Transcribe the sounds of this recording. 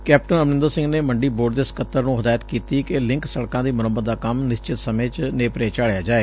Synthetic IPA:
kɛːpʈənəmnɪ̃nd̪əɾsɪ̃ŋɡneːməɳɖiːboːɖd̪eːskət̪ːəɾnũːɦəd̪aːjət̪kiːt̪iːkɪlɪ̃ŋksəɽkãːd̪iːmʊnəbəd̪ːaːkəmnɪst͡ʃɪt̪səmẽːt͡ʃneːpɾeːt͡ʃaːɭejaːd͡ʒaːeː

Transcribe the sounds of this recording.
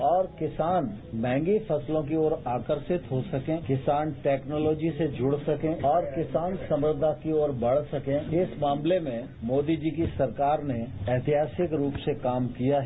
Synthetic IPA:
ɔːɾkɪsaːnmɛ̃ːŋɡifɐslõk̬ioːɾaːkəɾʃɪt̪ɦosɐkẽːkɪsaːnʈɛːknɔːlɔːd͡ʒised͡ʒʱʊɽsɐkẽɔːɾkɪsaːnsɐ̃mɾɪd̪ʱakioːɾbɐɽ̤sɐkẽɪsmaːmlemẽ | moːd̪id͡ʒikisɐɾkaːɾneɛːt̪ɪɦaːsɪkɾuːpsekaːmkijaɦɛ

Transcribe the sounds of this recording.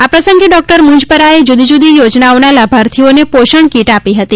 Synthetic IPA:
apɾəsəŋɡeɖɔk̚ʈəɾmʊ̃ɲd͡ʒpəɾaed͡ʒud̪ʱid͡ʒud̪ijod͡ʒnaonalabʱaɾt̪ʰionepoʃəɳkiʈapiɦət̪i

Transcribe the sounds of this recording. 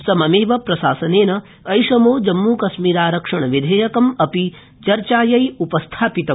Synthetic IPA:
sɐmɐmeːʋɐpɾɐsaːsɐneːnɐ | ɐjʃɐmoːd͡ʒɐmːuːkɐsmiːɾaːɾɐkʂɐɳ̃ɐʋid̪ʱeːjɐkɐmɐpi | t͡ʃɐɾt͡ʃaːjɐjupɐst̪ʰaːpit̪ɐ

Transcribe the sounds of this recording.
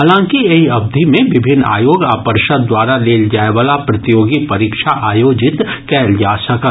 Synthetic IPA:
aːlãːŋkieɦiɐb̚d̪ʱimẽʋɪbʱɪnːa̰ːjoːɡa̰ːpəɾʃəd̪̚d̪waːɾaleːld͡ʒaːeʋaːlapɾɐt̪ɪjoːɡipɐɾiːkʃaʔaːjoːd͡ʒɪt̪kɛːld͡ʒaːsɐkə

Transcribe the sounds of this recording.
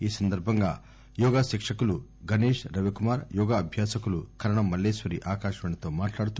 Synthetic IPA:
iːsɐnd̪ɐɾbʱɐŋɡaː | jɔːɡaːʃikʂɐkuluɡʱɐneːʂɾɐʋikumaːɾjɔːɡaːɐbʱjaːsɐkulukʰɐɾɐɳɐmːɐlːeːsʋɐɾiʔaːkaːʃɐʋɐɳɐt̪o̞ːmaːʈlaːɽut̪u

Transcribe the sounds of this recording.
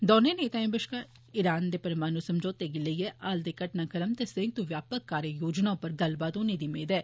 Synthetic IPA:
d̪ɔːneːneːt̪ãẽːbɪʃkaː | ɪɾaːnd̪eːpəɾmaːnũːsəmd͡ʒoːt̪eːɡɪləiɛːʔaːld̪eːkəʈnãːkəɾəmt̪esẽŋ̚t̪uʋjaːpəkːaːɾjəjoːd͡ʒnãːpəɾɡ̪əlbaːt̪oːnẽːd̪iːmeːd̪ɛː

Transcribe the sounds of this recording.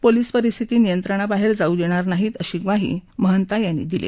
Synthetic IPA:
poliːspəɾist̪ʰit̪iːnijənt̪ɾəɽ̃abaɦeɾd͡zaud͡ʑeɽ̃aɾnaɦiːt̪əɕiːkʋaɦḭːməɦənt̪ajanːḭːd̪ilḛ

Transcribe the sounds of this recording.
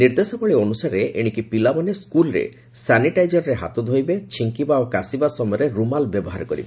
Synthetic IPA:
niɾd̪esɔbɔɭionusaɾeʔeɽ̃ikipilabɔneskulɔɾḛ | saniʈajd͡ʒɔɾɾeɦa̰t̪ɔd̪ʱojbet͡ʃʰiŋkibaokasibasɔmɔjɔɾeɾumalbjɔbɔɦaɾɔkɔɾḭbe

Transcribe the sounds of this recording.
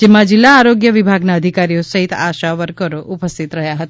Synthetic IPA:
d͡ʒemãd͡ʒɪlːaːɾoɡjəʋibʱaɡnaəd̪ʱikaɾiosəɦit̪a̰ʃaʋəɾkəɾoʔupəst̪ʰit̪ɾəɦjaɦət̪a

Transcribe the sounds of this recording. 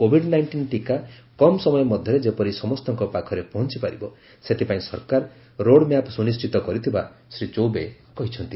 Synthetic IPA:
kobʱiɽnajɳʈinʈika | kɔmsɔmɔjɔmɔd̪ʱjɔɾed͡ʒepɔɾisɔmɔst̪ɔŋkɔpakʰɔɾepɔɦɔnt͡ʃipaɾibɔ | set̪ʰipaĩsɔɾkaɾ | ɾoɽmjapsunisʈit̪ɔkɔɾit̪ʰibasɾit͡ʃowbe | kɔɦit͡ʃʰɔnt̪i

